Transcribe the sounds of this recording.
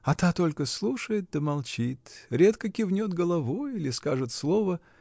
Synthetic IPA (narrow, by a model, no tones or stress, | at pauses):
ɐt̪at̪o̞lʲkəslˠuʂəjɪt̪̚d̪əmɐlˠt͡ɕit̪ɾʲe̞t̪kəkʲɪvnʲo̞t̪ɡəlˠɐvojilʲɪskaʐɨt̪slˠo̞və